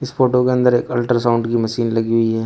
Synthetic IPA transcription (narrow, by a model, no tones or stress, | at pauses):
ɪsfoːʈokeɐ̃nd̪əɾeːkɐlʈəɾsãʊ̃ɳɖkimɐʃiːnlɐɡiɦʊiɦɛː